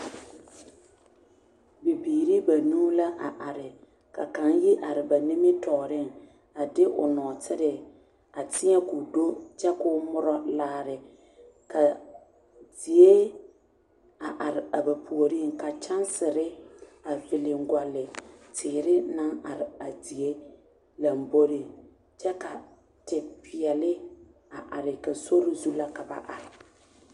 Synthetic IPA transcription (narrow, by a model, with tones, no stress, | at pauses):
bɪ˨biː˨ɾi˦ba˨nuː˦la˦ʔa˨ʔa˨ɾɪ˨ | ka̰˨ka˨njɪ˦ʔa˨ɾɪ˨ba˨nɪ˦mɪ˦tɔː˨ɾɪ˦˨ŋ | a˨dɪ˦ʔʊ̰˨nɔ˨tʰɪ˦ɾɪ˨ | a˨tɪ˦ɲɛ˦kʊ˨do˦t͡ʃɛ˦kʊ˦mʊ˦ɾɔ˦laː˦ɾɪ˨ | kʰa˨ | di˨e˦ | a˨ʔa˨ɾɪ˨a˨ba˨pʰu˨o˨ɾi˦ŋka˨t͡ʃa˦nsɪ˨ɾɪ˦a˨vɪ˨lɪ˨ŋ̩˦ɡʷa˨lɪ˨tʰɪː˨ɾɪ˦na˦ŋa˨ɾɪ˨a˨di˨e˦ | la˨m˨bo˦ɾi˦ | t͡ʃɛ˦ka˨ | tɪ˨pʰɪ˨ɛ˨lɪ˦ | a˨ʔa˨ɾɪ˨ka˨so˦ɾɪ˦zu˦la˦ka˨ba̰˨ʔa˨ɾɪ˨